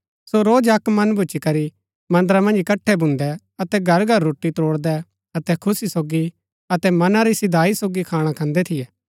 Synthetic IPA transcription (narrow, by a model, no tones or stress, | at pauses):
soɾoːd͡ʒɐkmɐnbʱʊt͡ʃikɐɾi | mɐ̃nd̪əɾamɐ̃nd͡ʒkɐʈʰːɛbʱʊ̃nd̪ɛ | ɐt̪ɛɡʱɐɾɡʱɐɾːoːʈːit̪oːɽd̪ɛ | ɐt̪ɛkʰʊsisoːɡi | ɐt̪ɛmɐnãɾisɪd̪ʱaːisoːɡikʰaːɽ̃akʰɐ̃nd̪ɛt̪ʰɪjɛː